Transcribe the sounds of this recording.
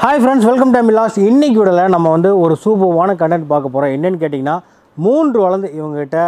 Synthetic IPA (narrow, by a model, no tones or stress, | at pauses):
hɐːɪfɾɐɳɖsʋɛlkɐmʈɐɪmɪlaːsɪnːɪk̬ːɯʋɪɽɐlɐnɐmːɐʋɐnd̪ɯɔɾɯsuːbɐʋaːnɐkɐɳɖɐnʈpaːɾkɐpːoːɾõːɛnːɐnːɯk̬eːʈːɪŋɡɐnːaː | muːndrɯʋɐɭɐnd̪ɯɪʋɐŋɡɐkɪʈːɐ